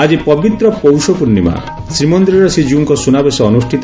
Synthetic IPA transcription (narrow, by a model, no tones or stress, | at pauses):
ad͡ʒipɔbit̪ɾɔpowsɔpuɾnima̰ | sɾimɔnd̪ɾiɾɔsid͡ʒuːŋkɔsunabesɔːnusʈʰit̪ɔ